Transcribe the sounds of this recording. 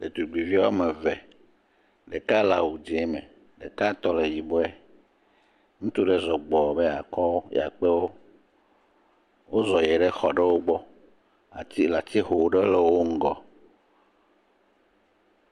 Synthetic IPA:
le˨t̪u˨ɡ͡bi˨vi˦a˦o˦me˨vɛ˨ | ɖe˨ka˦la˨wu˨d͡ʒe˨˦mɛ̰˨ | ɖḛ˨ka˦t̪ɔ˦le˨ji˨bo˦ɛ˦ | ŋũ˦t̪u˦ɖe˦zɔ˨ɡ͡bɔ˨be˦a˨kɔ˦o˦j̰a̰˨k͡pe˦wo˦ | wo˦zɔ˨jɛ˨ɖɛ˦xɔ˨ɖe˦wo˦ɡ͡bɔ˦ | a̰˨t̪i˦la˨t̪i˦ɦo˨ɖe˦le˦wo˦ŋ̩˦˨ɡɔ˨

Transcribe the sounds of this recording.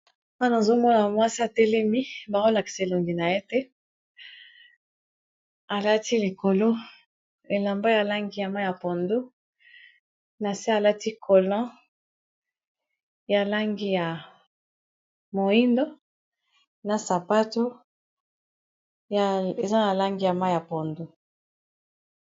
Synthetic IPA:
ma˦na˨zo˦mɔ˦na˨mwa˦si˦a˨tɛ˦lɛ˦mi˦ba˨o˦la˨ki̥˨slo˨ŋɡi˨na˨je˦tɛ˦ | a˨la˦ti˦li˨ko˨lo˦ | e˨la˨mba˦ja˨la˦ŋɡi˦ja˨ma˦ja˨pɔ˨ndo˦ | na˨si˦a˨la˦ti˦kʰo˨lɔ̃˦ | ja˨la˦ŋɡi˦ja˨ | mo˨i˦ndo˦ | na˨sa˨pa˦to˦ | ja˨e˨za˦na˨la˦ŋɡi˦ja˨ma˦ja˨pɔ˨ndo˦

